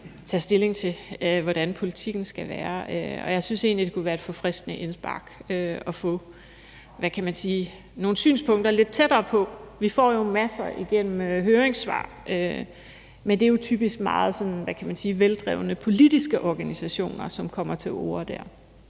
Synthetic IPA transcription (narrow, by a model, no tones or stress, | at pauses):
t͡sʰɛ̰sd̥e̝le̝ŋt͡sʰe̝ʋɒɾ̥ænpʰo̝lit͡sʰiɡ̥n̩sɡ̥æʋæːɐøɒ̽jɑ̈ɪsynse̝̰ːnlid̥e̝kʰuʋæːɐed̥fɔ̽fʁɛsd̥nəʔe̝nsb̥ɑ̈ɡ̥øɒ̽fɔ̽ | ʋækʰæmænsiː | no̝ːn̩sy̰ːnspʰɔ̽ŋ̰d̥ɐle̝d̥̚t͡sʰed̥ɐːpʰɒ̽ʋifɒ̰jo̝mæsɐʔiɡ̥en̰m̩ɦøːeŋsʋɑ̰̈ː | ʔø | mend̥ejo̝t͡sʰyːb̥isɡ̥mɑ̈ːð̞̩ˠsɒ̽nʋækʰæmænsiːʋeld̥ʁɛ̰ʊnəpʰo̝lid̥isɡ̥əʔɒɡ̥ænisæɕo̝̰ːnɐsɒ̽mkʰɒ̽m̰ɐt͡sʰe̝lo̝̰ːɐd̥æɐ̰